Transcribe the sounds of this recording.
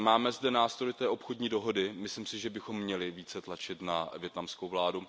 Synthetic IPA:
maːmɛzdɛnaːst̪ɾo̞jt̪ɛːʔo̞pxodɲiːdo̞ɦo̞dɪmɪslimsɪʒɛbɪxo̞mːɲɛlɪviːt͡sɛt̪lat͡ʃɪt̪navjɛt̪namskowvlaːdu

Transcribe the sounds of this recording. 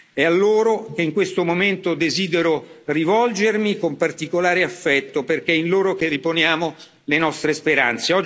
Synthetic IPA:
ɛalːoːɾok̟eiŋkwest̪omoment̪od̪eziːd̪eɾorivɔld͡ʒermikompart̪ikolaːɾeafːɛt̪ːoperk̟eɛinloːɾok̟erːiponjaːmo | lenɔst̪ɾespeɾa̰nt̪seɔ

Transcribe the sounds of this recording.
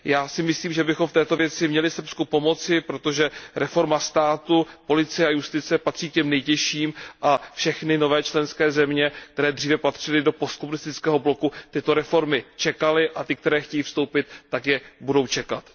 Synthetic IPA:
jaːsɪmɪsliːmʒɛbɪxomft̪ɛːt̪o̞vjɛt͡sɪmɲɛlɪs̩pskupo̞mo̞t͡sɪpɾot̪o̞ʒɛɾɛfo̞ɾmast̪aːt̪upo̞lɪt͡sɪjɛajust̪ɪt͡sɛpat̪r̝̥iːkcɛmnɛjcɛʃiːmʔafʃɛxnɪno̞vɛːt͡ʃlɛnskɛːzɛmɲɛk̚t̪ɛɾɛːd̪r̝iːvɛpat̪r̝̥ɪlɪdo̞post̪̚komunɪst̪ɪt͡skɛːɦo̞blo̞kut̪ɪt̪o̞ɾɛfo̞ɾmɪt͡ʃɛkalɪʔat̪ɪk̚t̪ɛɾɛːxcɛjiːfst̪o̞wpɪt̪ːakjɛbudo̞wt͡ʃɛkat̪

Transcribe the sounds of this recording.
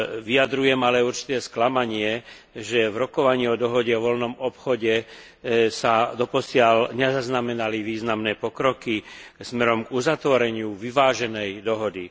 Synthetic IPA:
ʋiad̪ɾujɛmalɛuɾt͡ʃi̥t̪ɛːsklamaɲɪɛ | ʒɛvɾɔkɔʋaɲiːɔd̪ɔɦɔɟɛɔʋɔlnɔmɔpxɔɟɛ | sad̪ɔpɔsɪalɲɛzaznamɛnaliʋiːznamnɛːpɔkɾɔkismɛɾɔmɡuzat̪ʋɔɾɛɲɪuʋiʋaːʒɛnɛjd̪ɔɦɔd̪i

